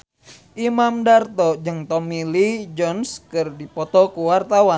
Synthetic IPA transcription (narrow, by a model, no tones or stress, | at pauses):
ʔimamdart̪ɔd͡ʒɨŋt̪ɔmilid͡ʒɔnskɨrdipɔt̪ɔkuwart̪awa